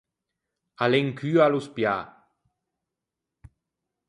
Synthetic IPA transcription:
aleŋkʰyaluspja

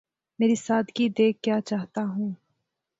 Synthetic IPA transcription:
meːɾisaːd̪kid̪eːkːjaːt͡ʃaːɦt̪aɦũː

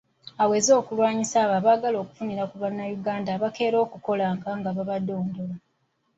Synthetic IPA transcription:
awe̞ːzo̞ːkulwaːɲisaːβaβaːɡalo̞ːku̥funiɾakuβanːajuɡaːndaβake̞ːɾo̞ːkuko̞laŋɡaŋɡaβaβado̞ːndo̞la

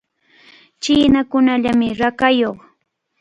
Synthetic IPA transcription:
t͡ʃɪːnakʊnaʎamɪɾakajoχ

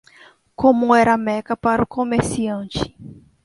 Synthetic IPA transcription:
kõmʊ̃ɛɾɐmɛkɐpaɾʊkomeɾsiɐ̃t͡ʃɪ̥

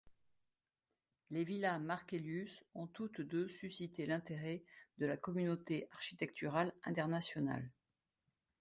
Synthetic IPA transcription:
levilamaʁkʲeljysɔ̃t̪ut̪d̪øsysit̪elɛ̃t̪eʁɛd̪əlakɔmynot̪eʔaʁʃi̥t̪ɛk̚t̪yʁalɛ̰̃t̪ɛʁnasjɔna̰l

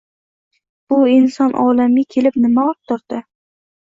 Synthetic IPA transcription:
b̥ʊɪnsɒnʔɒlamɪkʲʰelɪpnɪmaɒp̚t̪ʰʊɾd̪̥ɪ

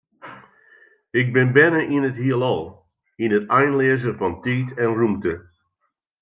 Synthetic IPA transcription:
ɪɡ̚bɪnbɛnəʔinətɦiəlˠɑlˠ | ɪnɦətɛjnleəzənvɑntiːtɛnrumtə

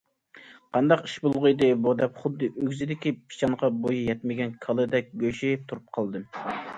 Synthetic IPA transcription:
qʰɑnd̪ɑqi̥ʃbolˠʁʊjd̪ɨbud̪ɛpχʊd̪ːɨʔøɡʲzɪd̪ɪkʲipʰi̥ʃɑŋʁɑbojijɛt̪mɪɡʲɛnkʰɑlˠɨd̪ɛk̚ʲɡʲøʃit̪ʰuɾup̚qʰɑlˠd̪ɨ

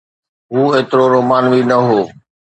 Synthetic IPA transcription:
ɦuːeːt̪ɾoɾoːmaːnʋiːnəɦoː

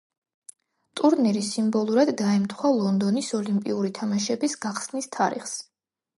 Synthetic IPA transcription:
t̪ʼuɾnɛɾisimbɔlˠuɾad̪daɛmt̪ʰχwalˠɔnd̪ɔnisɔlimpʼḭuɾit̪ʰamaʃɛbisɡaχsnist̪ʰaɾḭχs

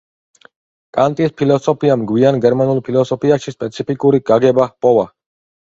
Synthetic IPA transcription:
kʼant̪ʼispʰilɔsɔpʰiamɡwianɡɛɾmanulˠpʰilɔsɔpʰiaʃispʼɛt̪sʰipʰikʼuɾiɡ̥aɡɛbapʼɔva

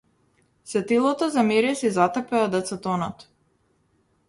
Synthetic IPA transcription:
sɛt̪ilˠɔt̪ɔzamɛɾɛsizat̪apɛad̪ɛt̪sat̪ɔnɔt̪

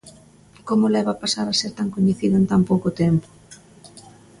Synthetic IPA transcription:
komʊlɛβapasaɾaseɾt̪aŋkoɲeθiðʊent̪ampowkot̪ɛmpo̥

